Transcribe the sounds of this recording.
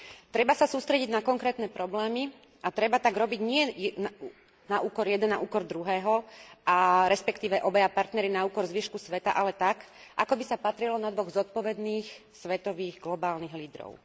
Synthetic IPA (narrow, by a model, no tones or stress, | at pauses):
t̪ɾɛbasasuːst̪ɾɛɟiɟnakɔŋkɾɛːt̪nɛpɾɔblɛːmi | ʔat̪ɾɛbat̪aɡɾɔbiɟɲɪɛn | naʔuːkɔɾjɛd̪ɛna̰ʔuːkɔɾd̪ɾuɦɛːɦɔʔaɾɛspɛkt̪iːʋɛʔɔbɛjapaɾt̪nɛɾinauːkɔɾzʋiʃkusʋɛt̪a̰ʔalɛt̪ak | ʔakɔbisapat̪ɾilɔnad̪ʋɔɣzɔt̪̚pɔʋɛd̪niːxsʋɛt̪ɔʋiːɣɡlɔbaːlniɣliːd̪ɾɔ̰ʊ